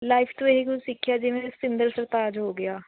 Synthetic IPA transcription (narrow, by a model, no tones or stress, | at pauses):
laːɪpʰt̪õeɦikusɪkʰːjaːd͡ʒɪʋẽsɪ̃nd̪əɾsəɾt̪aːd͡ʒɦoːɡɪjaː